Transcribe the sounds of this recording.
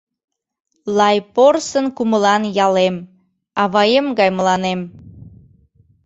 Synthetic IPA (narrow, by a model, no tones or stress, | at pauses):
lɑjporsənkuməlɑnjɑlem | ɑβɑjemɡɑjməlɑnem